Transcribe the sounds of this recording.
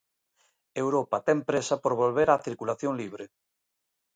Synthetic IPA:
ewɾopɐt̪ɛmpɾesapoɾβolβeɾaθiɾkulaθjoŋliβ̞ɾe

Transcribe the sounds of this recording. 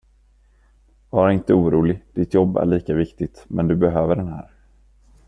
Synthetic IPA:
vɑɾɪnt̪əuːɾuːlɪd̪̥ɪt̪jɔbːæ̰ɭiːkavɪkt̪ɪt̪mɛnd̪ɵbɛɦøːvəɖɛnɦæ̰ːɾ

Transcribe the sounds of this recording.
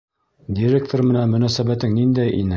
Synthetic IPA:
d̪ʲiɾʲek̚t̪ormɘ̆nænmɵ̆næsæbæt̪ɘŋnind̪æjʔḭnɘ

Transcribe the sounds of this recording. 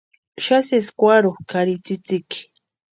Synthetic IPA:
ʃaseskwaɾokaɾɪt͡sɪt͡sɪk

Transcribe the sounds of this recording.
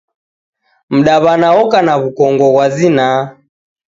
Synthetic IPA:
m̩ɗaβanaɔkanaβukɔŋɡɔɣwazina

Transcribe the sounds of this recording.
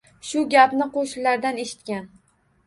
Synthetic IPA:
ʃʊɡʲapnɪqʰoʃɪllaɾd̪aneʃɪ̥t̪̚kʲan

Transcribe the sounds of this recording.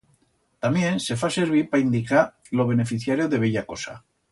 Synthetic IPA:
t̪amje̞nse̞fase̞ɾβ̞iɾpaind̪ikaɾ | lo̞β̞e̞ne̞fiθjaɾjo̞ðe̞β̞eʎako̞sa̰

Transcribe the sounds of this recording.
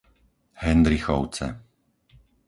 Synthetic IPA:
hɛnd̪ɾixɔʊt͡sɛ̰

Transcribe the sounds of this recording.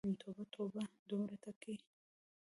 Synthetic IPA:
mt̪ʰobat̪ʰobad̪omɾat̪aki

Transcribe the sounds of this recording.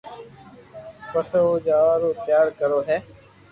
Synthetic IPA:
pəsoːd͡ʒaːʋaːɾoːt̪jaːɾkəɾoːɦɛː

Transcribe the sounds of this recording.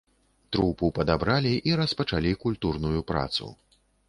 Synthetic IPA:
t̪ɾupupɐd̪abɾalʲiʔiɾɐspɐt͡ʂalʲikulʲt̪urnujupɾa̰t̪sṵ

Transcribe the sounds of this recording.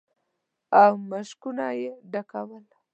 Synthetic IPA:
awmaʃkunajeɖakawəl

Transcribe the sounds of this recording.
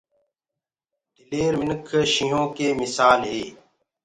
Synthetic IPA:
d̪ɪleːɾmɪnkʰʃĩːɦõːkeːmɪsaːlɦeː

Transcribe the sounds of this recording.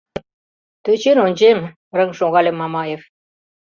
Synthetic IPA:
t̪øt͡ɕenonʲd͡ʑem | ɾəŋʃoɣɑlʲemːɑmɑjef

